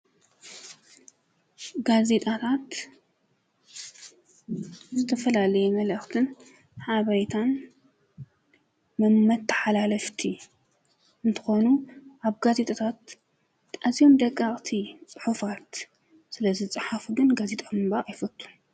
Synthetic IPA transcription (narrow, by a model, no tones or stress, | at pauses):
ɡaze̞t̪ʼat̪ʰat̪ | zɨt̪ʰɐfɐlalɐjɛmɐlɨxt̪ʰɨn | ħaβɐjt̪ʰan | mɐmːɐt̪ʰːɐ̥ħalalɐft̪ʰi | ɨnt̪ʰɨ̥xo̞nuʔaβɡaze̞t̪ʼot̪ʰat̪ | azijo̞md̪ɐkʼːaχʼt̪ʰit͡sʼɨħufat̪ | sɨlɐzit͡sʼɨħafɡɨnɡazet̪ʼamɨbajfɐt̪ʼːu̥